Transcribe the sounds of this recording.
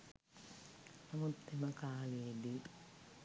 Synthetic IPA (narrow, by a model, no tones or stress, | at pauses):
namut̪ːemɐkaːleːdi